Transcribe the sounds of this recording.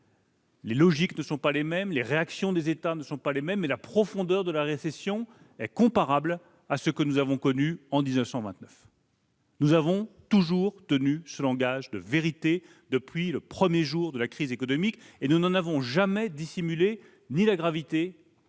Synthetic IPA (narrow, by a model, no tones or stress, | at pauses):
lelɔʒiknəsɔ̃palemɛmleʁeaksjɔ̃d̪ezet̪anəsɔ̃palemɛmːɛlapχɔfɔ̃d̪œʁd̪əlaʁesesjɔ̃ | ɛkɔ̃paʁabl | asəkənuzavɔ̃kɔnyɑ̃d̪iznəfsɑ̃vɛ̃t̪nəf | nuzavɔ̃t̪uʒuʁt̪ənysəlɑ̃ɡaʒd̪əveʁit̪e | d̪əpɥiləpχəmjeʒuʁd̪əlakχizekɔnɔmikenunɑ̃navɔ̃ʒamɛd̪isimyle | nilaɡʁavit̪e